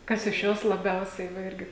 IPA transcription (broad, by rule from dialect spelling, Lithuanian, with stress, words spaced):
ˈkɐs ɪʃ ˈjoːs lˠɐˈbʲɛʊsʲɛɪ ʋɐ ˈɪrʲɡʲɪ